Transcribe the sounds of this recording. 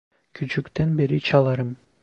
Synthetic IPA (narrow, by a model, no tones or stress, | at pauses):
kʰyt͡ʃykt̪ønbeɾit͡ʃʰɑlˠɑɾɯm